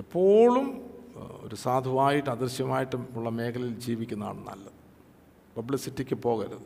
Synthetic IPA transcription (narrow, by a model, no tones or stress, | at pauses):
ipːo̞ːɭum | o̞̰ɾusaːd̪ʱumaːjiʈːɨɐd̪irɕjɐmaːjiʈːɨmuɭːɐme̞ːkʰɐlɐild͡ʑiːʋikʲːunːɐa̰ːɳɨnːɐ̰lːɐ̰ɨ | pɐbɭisitːikʲːɨpo̞ːɣɐɾuðɨ